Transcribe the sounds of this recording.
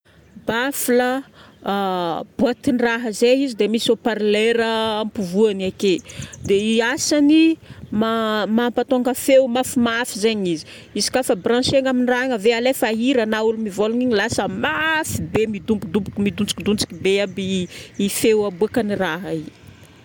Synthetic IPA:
bafilə | b̥uat̪iniraɦəzeizid̪emisopaɾleɾəːmpuvuaniaked̪easanimamampat̪oŋɡəfewmafimafizeɲizi̥ | izi̥kʲafəbrãʃeŋaminiraɦaŋəvealefaɦiɾənaulumivoluɲiɲilasəmafibemid̪umpud̪upukmid̪unt͡si̥kid̪unt͡si̥kibeabiːfewabuakəniraɦəi̥

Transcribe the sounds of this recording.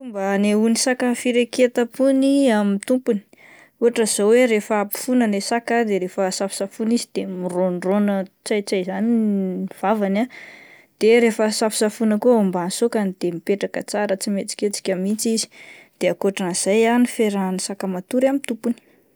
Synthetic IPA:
fumbəneunisakəfiɾeket̪apuniamit̪umpuni̥ | uɦaʈ͡ʂəz̥oweɾefəapi̥funənesakəd̪eɾefəsafi̥safunizid̪̥emironronət͡sajt͡sajzaniiv̥avana | d̪̥eɾefəsafi̥safunəkoumbansokanid̪̥emipeʈ͡ʂakə̰t͡saɾət͡simet͡si̥kʲet͡si̥kʲamit͡sizi̥d̪̥eakoʈ͡ʂaniz̥ajanifeɾanisakəmat̪uɾamit̪umpuni̥

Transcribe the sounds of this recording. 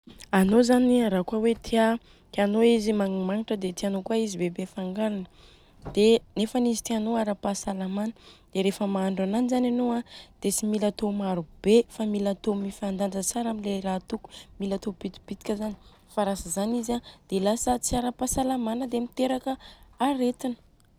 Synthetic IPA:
anozaniɾakwawet̪ʰia | k̪ianoizimaŋimaniʈ͡ʂəd̪et̪ianokuaizibebefaŋɡaɾanə | d̪̥enefanizit̪ianoaɾapasalamanəd̪̥eɾefəmaaɳɖ͡ʐananizananoad̪̥et͡similat̪omaɾub̥efamilat̪omifand̪and͡zət͡saɾamilerat̪uku̥milat̪ob̥it̪i̥b̥it̪i̥kʲəzani | faɾasəzanizad̪̥elasət͡siaɾapasalamanəd̪emit̪eɾakəaɾet̪inə̥

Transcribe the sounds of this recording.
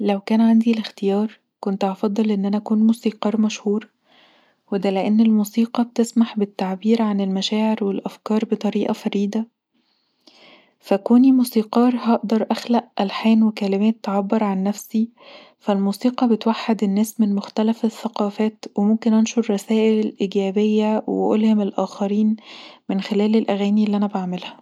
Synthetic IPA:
læwkæːnʕand̪ilext̪ejɑːɾˤ | kont̪ʕɑfɑd̪ˤːɑlʔenːʔænæʔækuːnmusiːqɑːɾˤmæʃhuːɾ | wed̪æleʔenːelmuːsiːqɑb̚t̪esmaħbet̪ːaʕbiːɾʕanelmæʃæːʕeɾwelʔæfkɑːɾˤbet̪ˤɑɾiːʔɑfɑɾiːd̪æ | fækoːnimuːsiːqɑːɾˤɦɑʔd̪ɑɾˤʔæxlæʔʔælħæːnwekælemæːt̪ːʕabːeɾˤʕanːæfsi | fælmuːsiːqɑbet̪waħːad̪enːæːsmenmoxt̪ælæfeθːæqɑːfæːt̪wemomkenʔɑnʃoɾˤːɑsæːʔellʔiɡæːbejːæwḛʔolhemelʔæːxɑɾiːnmenxelæːlelʔæɣæːniʔlːiʔænæbaʕmelhæ̥

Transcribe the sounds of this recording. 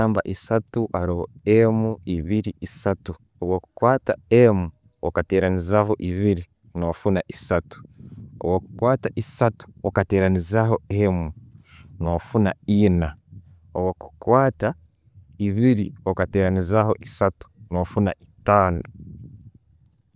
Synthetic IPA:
aːmba̰ʔisatuʔaɾoho̰emuiβiɾiisatu | owoku̥kwaːtaemu | okate̞ːɾanizaɦoʔiβiɾi | noːfunaʔisatu̥o̰woku̥kwaːtaʔisatu̥okate̞ːɾanizaɦo̞emunofunaina | owoku̥kwaːta | iβiɾiokate̞ːɾanizaho̞ʔisatu̥noːfunaitaːnu

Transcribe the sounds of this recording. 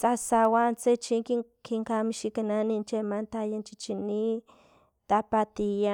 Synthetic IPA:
t͡sasawant͡set͡ʃiŋki | kiŋkamĩʃikanãnĩnt͡ʃemãnt̪ajant͡ʃit͡ʃinĩ | t̪apat̪ija

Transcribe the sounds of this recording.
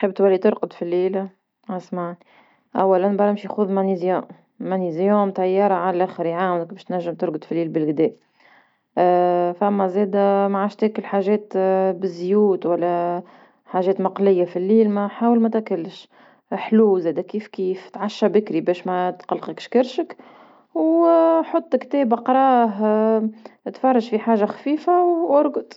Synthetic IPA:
ħəb̚t̪wælːit̪ʊɾqʊd̪filːiːl | ʕasmaʕni | ʔæwːælænbɑɾˤɪmʃixuðmænizjoː | ænizjoːmt̪æjːɑːɾˤɑʕallʔæxəɾjʕaːwnɪk̚bɛːʃt̪næʒːəmt̪ʊɾɡəd̪filːiːlbəɪlɡd̪ɛːʔ | fæmːæzɛːd̪æmaʕaːʃt̪æːkɪlħaːʒɛːt̪bɪzjuːt̪wælːæ | ħaːʒɛːt̪mɑqlɪjːafilːiːlmæħaːwəlmæt̪ækalːʃ | ħluːzɛːd̪ækiːfkiːft̪ʕaʃːabɪkɾibɛːʃmæt̪qɑlqəkʃkɪɾʃək | wħot̪ˤːkt̪ɛːbʔɑqɾˤɑːɦ | t̪fɑrˤːɑʒfiħaːʒaxḁfiːfawʔʊɾˤɡʊd̪

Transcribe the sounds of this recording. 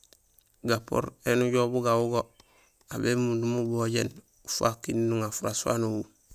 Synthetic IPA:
ɡapo̰ɾenuɟobuɡawuɡo | abemundumuboɟen | ufa̰kinnuŋafuɾaswa̰nuwu

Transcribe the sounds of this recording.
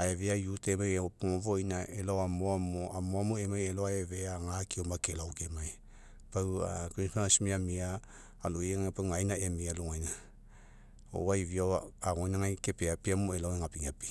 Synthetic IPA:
aeveajutemajopuŋovojnaelawamoamoamoamuemajeloaeveaŋakiomakelawkemaj | pawakonpaŋasimiamiaː | lojeŋapaŋajnaemialuŋajna | o̰wajviawaaŋojnaŋajkepeapiamoelaweŋapiŋapi

